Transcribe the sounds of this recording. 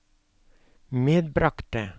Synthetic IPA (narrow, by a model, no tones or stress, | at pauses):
meːd̪̚bɾɑkt̪̚ə